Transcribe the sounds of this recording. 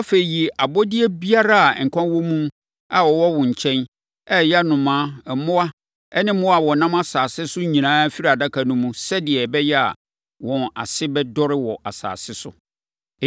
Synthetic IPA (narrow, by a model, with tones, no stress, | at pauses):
a˦fe˨i˨ji˨ʔa˨bɔ˦dɪ˦ɛ˦bi˦a˦ɾa˦˨ŋ̩˨kʷʰã˦wɔ̃˦mũ˦ | a˨wɔ˨wɔ˦wʊ̃˨ɲ̩˨t͡ɕʰɛ̃˦n | ɛ˦˨ja˦nʊ̃˨mãː˦ɛ˨mʊ̃˦a˦ | ɛ˦nɪ̃˦mʊ̃˦a˨wɔ˨nã˦ma˦saː˨sɪ˦sʊ˦ɲĩ˨nãː˦fi˦ɾa˨da˦kʰa˨nũ˦mũ˦sɛ˦dɪ˨ɛ˨bɛ˦jɛ˦a̰˨ | wɔ̃˨na̰˨sɪ˦bɛ˦dɔ˦ɾɪ˦wɔ˨a˨sa̰ː˨sɪ˦sʊ̰˨